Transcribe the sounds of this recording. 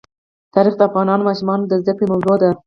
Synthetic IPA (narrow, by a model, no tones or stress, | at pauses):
t̪ɑɾixd̪əafɣɑnɑnomɑʃumɑnod̪əzd̪akɽemawzod̪a